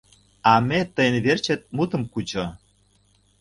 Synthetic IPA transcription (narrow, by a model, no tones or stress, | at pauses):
ɑmet̪əjənβert͡ɕĕt̪̚mut̪ə̆mkut͡ɕo